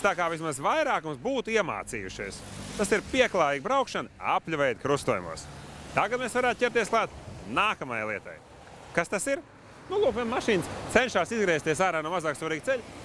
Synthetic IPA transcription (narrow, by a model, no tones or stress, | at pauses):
t̪aːkaːvis̬mazvajɾaːkumsbuːt̪uiɛma̰ːt̪siːjuʃḭjst̪asiɾpʲiɛklˠaːjiːɡ̚bɾawkʃana̰pʎʲuvɛjd̪̚kɾust̪uɔjṵmṵɔst̪aɡat̪̚mesvaɾaːt̪̚cʲɛpt̪iɛsklˠaːt̪naːkamajlˠiɛt̪a̰j | kast̪asiɾ | nulˠuːkvʲiɛnmaʃiːnst̪sɛnʲʃaːsizɡɾɛːst̪iɛs̬aːɾaːnuɔmazaːksvaɾiːɡ̚t̪seʎ